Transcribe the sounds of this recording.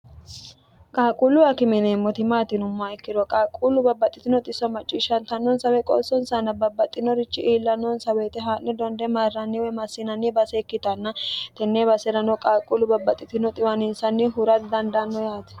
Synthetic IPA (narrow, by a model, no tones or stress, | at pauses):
kʼaːkʼulʊɐkɪmɛneːmːɔt̪ɪmaːt̪ɪnʊmːaɛkːɪd̪ɔkʼaːkʼulʊbɐbːɐt̪ʼːɪt̪ɪnɔt̪ʼɪsɔmɐt͡ʃʼːiːʃɐnt̪ɐnːɔnsɐwɛkʼo̰ːsɔnsɐnːɐbɐbːɐt̪ʼːɪnɔɾɪt͡ʃːɪʔiːlːɐnːɔnsɐweːt̪ɛɦaːʔnɛd̪ɔnd̪ɛmarːɐnːiwɛmɐsːɪnɐnːɪbɐsekːɪt̪ɐnːɐt̪ɛnːebɐsɛɾɐnɔkʼaːkʼulʊbɐbːɐt̪ʼːɪt̪ɪnɔt̪ʼɪwɐnɪnsɐnːɪɦʊɾɐt̪d̪ɐnd̪ɐnːɔjaːt̪ɛ̥